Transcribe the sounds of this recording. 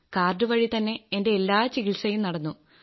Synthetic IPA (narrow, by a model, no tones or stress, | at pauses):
kaːrɖɨʋɐɻit̪ɐnːe̞ende̞ːlːaːt͡ɕiɣiɭsɐjumnɐɽɐnːu